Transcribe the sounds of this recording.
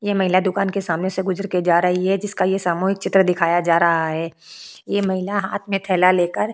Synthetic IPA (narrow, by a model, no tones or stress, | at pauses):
jemɐɦɪlad̪ʊkaːnkesaːmneseɡʊzəɾkid͡ʒaːɾɐɦiɦɛd͡ʒɪskajesaːmuːɦɪk̚t͡ʃɪt̪ɾəd̪ɪkʰaːjad͡ʒaːɾɐɦaɦɛː | jemɐɦɪlaɦaːt̪ʰmẽt̪ʰɛːlaleːkəɾ